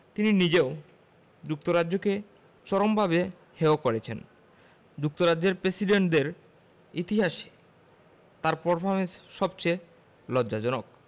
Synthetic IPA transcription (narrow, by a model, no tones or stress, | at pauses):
t̪ininid͡ʑeo | d͡ʑuk̚t̪oɾadːʑoke | t͡ɕɔɾombʱabe | heokoɾet͡ɕʰen | d͡ʑuk̚t̪oɾadd͡ʑeɾpɾesiɖeɳʈd̪eɾ | it̪iɦaʃe̥ | t̪aɾpɔɾpʰoɾmensʃɔbt͡ɕe | lɔd͡ʑad͡ʑɔnok̚